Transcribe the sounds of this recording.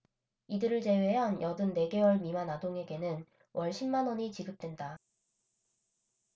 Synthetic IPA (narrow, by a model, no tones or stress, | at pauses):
idɯɾɯɭt͡ɕe̞we̞ɦanjʌdɯnːe̞ɡe̞wʌɭmimanadoŋe̞ɡe̞nɯn | wʔʌɭɕʰimːanʌɲit͡ɕiɡɯp̚t͈we̞nda